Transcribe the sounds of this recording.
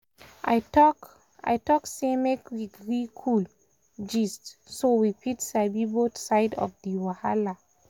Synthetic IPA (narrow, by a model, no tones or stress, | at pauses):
a̰jtɔk | a̰jtɔksemekwiɡɹikʰul | d͡ʒistsowipitsabibotsaɪdɔ̰fdiwahala